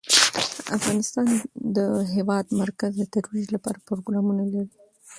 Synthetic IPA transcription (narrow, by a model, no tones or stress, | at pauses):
a̰fɣɑnɪst̪ɑnd̪əɦewɑd̪maɾkazd̪ət̪aɾwid͡ʒlapɑ̰ɾapɾoɡɾɑmunalaɾi